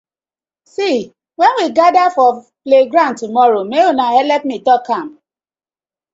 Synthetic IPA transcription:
si | wɛnwiɡadafɔ | pleɡɾãntumɔɾomeonahɛlɛpmitɔkãm

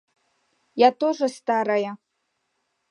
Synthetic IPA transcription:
jat̪oʐɐst̪aɾaja

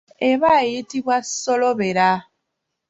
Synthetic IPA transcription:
eβajetiβwasɔlɔβeɾa

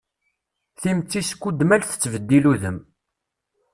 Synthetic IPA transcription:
θimt͡sːiskːud̪mælθə̥t͡sːvəd̪ːiluðəm

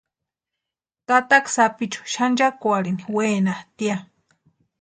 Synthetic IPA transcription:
kat̪aksapit͡ʃu̥ʃand͡ʒakwaɾiniweːnat̪ia

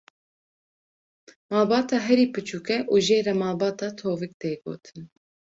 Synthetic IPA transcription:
mɑːlbɑːt̪ɑːɦɛɾiːpɨt͡ʃuːkɛʔuːʒeːɾɛmɑːlbɑːt̪ɑːt̪ʰoːvɨk̚t̪eːɡo̰ːt̪ʰɨ̥n

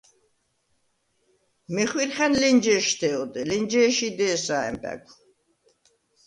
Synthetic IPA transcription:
mɛχwiɾχɛnlind͡ʒɛːʃt̪ʰɛɔd̪ɛlind͡ʒɛːʃid̪ɛːsaɛ̰mpʼɛ̰ɡʰʷu

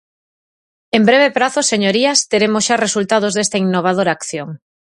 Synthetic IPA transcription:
embɾeβepɾaθoseɲoɾiɐst̪eɾemosʃaresult̪að̞ozðest̪ainːoβ̞að̞oɾaːkθjoŋ

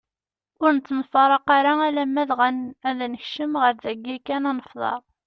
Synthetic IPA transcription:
ʊɾnət̪ːnfɑɾˤɑqaɾaælæmːæðʁənæðænəçʃəmʁəɾðæɡːikːænɑnəfðˤɑ̰ɾˤ

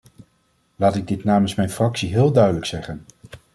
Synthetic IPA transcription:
laːtɪɡ̚dɪtnaːmənsmɛjnfrɑksiɦɪːlˠdœɥdələksɛχən

